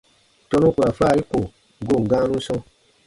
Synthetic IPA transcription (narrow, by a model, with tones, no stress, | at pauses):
tɔ˧nũ˦ku˨ɾa˨faː˦˨ɾi˦ko˨ | ɡo˦˨ŋ˨ɡã˦nũ˦sɔ̃˧